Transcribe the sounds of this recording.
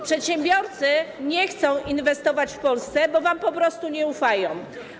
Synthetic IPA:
pʂɛt̪ɕɛmbʲjɔɾt̪sɘɲɛxt̪sɔ̃w̃invɛst̪ɔvat͡ɕfpɔlst̪sɛbɔvampɔpɾɔst̪uɲɛufajɔ̃w̃

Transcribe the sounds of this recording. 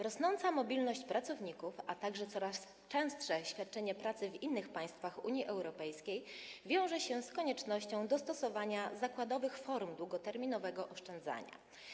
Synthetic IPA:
ɾɔsnɔnt̪samɔbʲilnɔɕt͡ɕpɾat̪sɔvɲikufat̪aɡʐɛt̪sɔɾas | t͡ʂɛ̃w̃stʂɛɕfʲjat̪̚t͡ʂɛɲɛpɾat̪sɘvinːɘxpaj̃st̪faxuɲjiʔɛwɾɔpɛjskʲejvʲjɔ̃w̃ʐɛɕɛskɔɲɛt͡ʂnɔɕt͡ɕɔ̃w̃d̪ɔst̪ɔsɔvaɲazakwad̪ɔvɘxfɔɾmd̪wuɡɔt̪ɛɾmʲinɔvɛɡɔʔɔʂt͡ʂɛnd̪za̰ɲa̰

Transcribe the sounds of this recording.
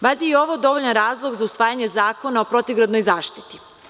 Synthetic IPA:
baʎʲd̪ajeo̞ʋod̪o̞ʋoʎanɾaːzlˠo̞ɡzausʋaːjaɲezaːko̞naopɾo̞t̪iɡɾod̪nojzaːʃt̪i̥t̪i̥

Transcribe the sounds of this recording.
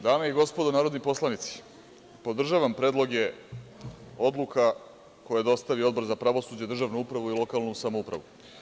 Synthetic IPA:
d̪aːmeiɡo̞spo̞d̪onaːɾod̪nipo̞slˠanit̪si̥ | po̞d̪r̩ʒaːʋampɾe̞ːd̪lˠo̞ɡje̞ | o̞d̪lˠukʰa | ko̞jad̪o̞st̪aʋio̞d̪bo̞ɾzapɾaʋo̞suːd͡ʑed̪r̩ʒaʋnuupɾaʋuilˠo̞kalnusamoupɾa̰ʋu

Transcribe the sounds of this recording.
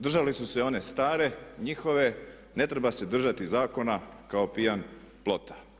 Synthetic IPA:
d̪r̩ʒalisuse̞o̞ne̞st̪aːɾe̞ɲixo̞ʋe̞ | ne̞t̪ɾebase̞d̪r̩ʒat̪izaːko̞nakao̞pijan | plo̞t̪ḁ

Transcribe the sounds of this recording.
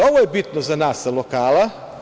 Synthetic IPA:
oʋojebit̪nozanaːsalokaːla

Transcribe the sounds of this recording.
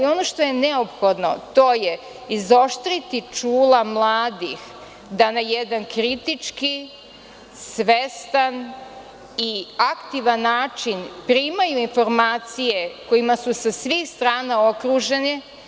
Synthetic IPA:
io̞noʃt̪o̞je̞neopxo̞d̪no̞̰t̪o̞ːje | izo̞ʃt̪ɾit̪it͡ʂuːlamlˠaːd̪ix | d̪anajed̪ankɾit̪it͡ʂki | sʋest̪an | iakt̪iʋanːaːt͡ʃinpɾiːmajuinfo̞ɾmaːt̪sije̞ko̞jimasusasʋixst̪ɾaːnao̞kɾuʒeni

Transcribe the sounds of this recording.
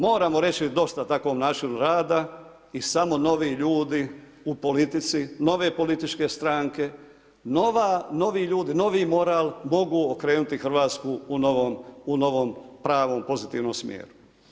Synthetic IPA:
mo̞ːɾamo̞ɾe̞t͡ʃid̪o̞st̪at̪akʋo̞ːmnaːt͡ʃinuɾaːd̪a | isamo̞no̞ʋiʎuːd̪i | upo̞lit̪it̪sino̞ʋe̞ːpo̞lit̪it͡ʃke̞st̪ɾaːŋke̞ | noʋano̞ʋiʎuːd̪ino̞ʋimo̞ɾaːlmo̞ɡuokɾe̞ːnut̪ixr̩ʋaːt̪skuunoʋomuno̞ʋompɾaːʋo̞mpo̞zit̪iːʋnomsmjḛːɾu

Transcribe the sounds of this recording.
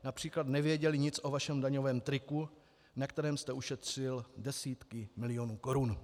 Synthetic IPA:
napr̝̥iːklat̪nɛvjɛɟɛlɪɲɪt͡sʔo̞vaʃɛmdaɲo̞vɛːmt̪ɾɪku | nakt̪ɛɾɛːmst̪ɛʔuʃɛt̪r̝̥ɪldɛsiːt̪kɪmɪlɪo̞nuːko̞ɾun

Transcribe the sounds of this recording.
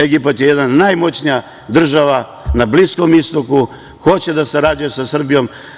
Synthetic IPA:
eɡipat̪jejed̪nanajmo̞t͡ɕnija | d̪r̩ʒaʋa | nablisko̞mist̪o̞ku | xo̞t͡ɕe̞d̪asaɾad͡ʑuje̞sasr̩bijo̞m

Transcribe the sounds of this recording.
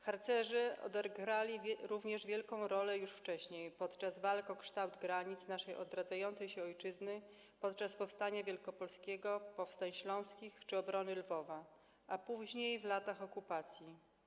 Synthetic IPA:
xaɾt̪sɛʐɘɔ̰d̪ɛɡɾalʲiɾuvɲɛʐvʲjɛlkɔ̃w̃ɾɔlɛjuʂft͡ʂɛɕɲejpɔt̪t͡ʂazvalkɔ̃kʂt̪awd̪ɡɾaɲit̪snaʂɛjʔɔ̰d̪ɾad̪zajɔnt̪sɛjɕɛɔjt͡ʂɘznɘ | pɔt̪t͡ʂaspɔfst̪aɲavʲjɛlkɔpɔlskʲɛɡɔpɔfst̪aɲɕlɔ̃w̃skʲixt͡ʂɘɔbɾɔnɘlvɔva | ʔapuʑɲejvlat̪axɔkupat̪sʲji

